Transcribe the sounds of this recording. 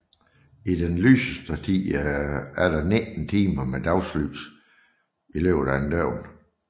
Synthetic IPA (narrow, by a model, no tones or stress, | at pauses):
idenly̰ːsəsd̥ət͡sʰiðˠ | æɐɾ̥ɑ̈ne̥n̩t͡sʰiːmɐmed̥ɑ̈ʊsly̰ːs | ileʊ̥ænd̥œʊ̰n